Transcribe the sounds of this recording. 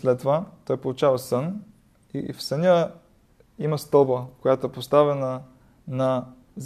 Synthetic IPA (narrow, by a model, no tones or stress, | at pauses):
slɛt̪ːovat̪ɔjpolˠut͡ʃavɐsɤn | ḭfsɐnʲə | imɐst̪ɔbəkojat̪oɛpost̪avɛnə | nɐ | z